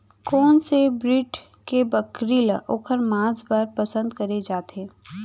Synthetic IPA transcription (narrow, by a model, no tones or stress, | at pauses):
kɔːnsebɾɪʈ | kebəkɾilʔoːkʰəɾmãːsbaɾpəsə̃nd̪kɐɾed͡ʒaːt̪eː